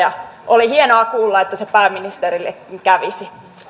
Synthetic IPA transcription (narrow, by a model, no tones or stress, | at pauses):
ɑʔolihienoɑkuːlːɑet̪ːæsepæːmːinist̪erilːḛkŋkæʋisi